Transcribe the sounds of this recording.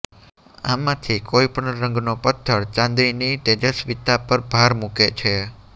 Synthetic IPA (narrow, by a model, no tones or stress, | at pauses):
amãt̪ʰikʰoipəɳɾə̃ŋɡnopət̪ʰːəɽt͡ʃãnd̪ɾinit̪ed͡ʒəsʋit̪apəɾbʱaɾmuket͡ʃʰe